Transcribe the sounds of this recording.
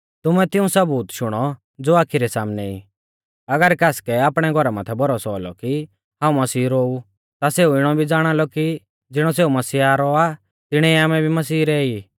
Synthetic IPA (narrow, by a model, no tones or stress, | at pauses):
t̪ʊmɛt̪ɪũsɐbuːt̪ʃʊɽ̃ɔ | d͡zoːaːkʰiɾɛsaːmnɛḭ | ɐɡəɾkaːskɛaːpɽ̃ɛɡʱɔɾamaːt̪ʰɛbɔɾɔsɔːlɔ̰ki | ɦãːũmɐsiːɾoːu | t̪aseːuɪɽ̃ɔbʱid͡zaːɽ̃alɔki | d͡zɪɽ̃ɔseːumɐsiːaːɾɔa | t̪ɪɽ̃ɛiaːmɛbʱimɐsiːɾɛːi